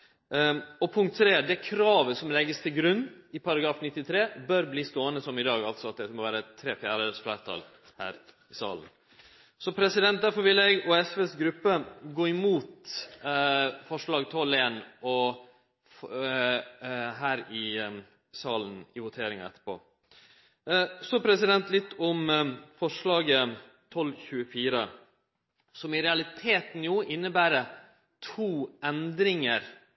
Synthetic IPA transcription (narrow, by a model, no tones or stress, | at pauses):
ɔpʰʊŋkt̪ʰːɾeːd̪ɛkʰɾɑːʋəsɔmlɛɡːəst̪ʰɪlɡɾʉnːɪpʰɑɾɑɡɾɑːfnɪt̪ːɪt̪ʰɾeːbœɾbliːst̪oːənəsɔmɪd̪ɑːɡɑlt̪sɔɑt̪̚d̪ɛmɔʋæːɾət̪ʰɾeːfjæːɾəsflæːɾt̪ʰɑ̰ːl | hæ̰ːɾ | ɪsɑ̰ːlən | sɔpʰɾɛsɪd̪ɛnt̪̚d̪æɾfɔɾʋɪlɛɡuːɛsʋesɡɾʉpːəɡoːɪmuːt̪ | fɔʂɭɑːɡt̪ʰɔleːnʔɔ | ɦæːɾɪ | sɑːlən̩ɪʋʊt̪ʰeːɾɪŋɑ̰ɛ̰t̪ːə̥pʰo̰ː | sɔpʰɾɛsɪd̪ɛnt̪lɪt̪ːɔmfɔʂlɑːɡə | t̪ʰɔlçʉːəfiːɾə | sɔmɪɾɛɑlɪt̪ʰeːt̪n̩juːʔɪnːəbæːɾə | t̪ʰuːɛnd̪ɾɪŋəɾ